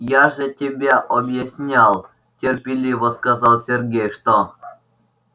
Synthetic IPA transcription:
jɑʐĕtʲebʲeʔobjesʲnʲɑlˠ | tʲerʲpʲilʲiʋə̆skɑzɑlˠsʲerɡʲejʂt̪o

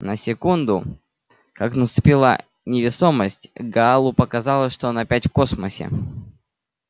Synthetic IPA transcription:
nəsʲɪkund̪ʊ | kaknəst̪ʊpʲilˠə̰ | nʲɪvʲɪso̞məsʲtʲɡɐalˠʊpəkɐzɑlˠəʂt̪oonɐpʲætʲfko̞sməsʲɪ̰

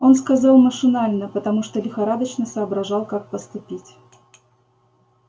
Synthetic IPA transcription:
o̞nskɐzɑlˠməʂɨnalʲnəpət̪ɐmuʂt̪olʲɪxɐɾad̪ət͡ɕnəsəːbɾɐʐɑlˠkak̚pəst̪ʊpʲitʲ

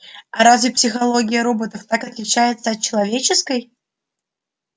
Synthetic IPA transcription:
ɐɾazvʲɪpsʲɪxɐlˠo̞ɡʲɪjəɾo̞bət̪əft̪akɐt̪lʲɪt͡ɕæjɪt̪səɐt̪̚t͡ɕɪlˠɐvʲet͡ɕɪskəj

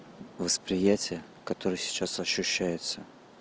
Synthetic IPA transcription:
vəspɾʲɪjætʲɪjə | kɐt̪o̞ɾɨjsʲɪ̥t͡ɕasɐɕːʉɕːæjɪt̪sə

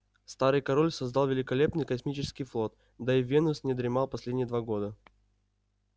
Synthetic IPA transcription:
st̪aɾɨjkɐɾolʲsɐzd̪alˠvʲɪlʲɪkɐlʲe̞pnɨjkɐsmʲit͡ɕɪskʲɪjflˠo̞t̪ | d̪aɪvʲenʊsnʲɪd̪ɾʲɪmalˠpɐsʲlʲedʲnʲɪjəd̪vaɡo̞d̪ə

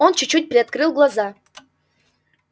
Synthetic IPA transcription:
ont͡ɕʊt͡ɕut̚ʲpɾʲɪɐt̪̚kɾɨlˠɡlˠɐza

